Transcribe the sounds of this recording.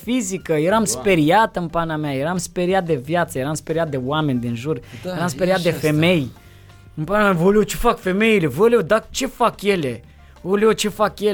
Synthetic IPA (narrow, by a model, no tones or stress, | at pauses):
fizikəjeɾamspe̞ɾiat̪ɨnpanamajeɾamspe̞ɾiat̪̚d̪e̞vjat̪səjeɾamspeɾiat̪̚d̪e̞wame̞nʲd̪inʒurjjeɾamspe̞ɾiat̪̚d̪e̞fe̞me̞j | ɨmpanamʲavolot͡ʃefakfe̞me̞ile̞vəleod̪at͡ʃe̞fakje̞le | oleot͡ʃe̞fakje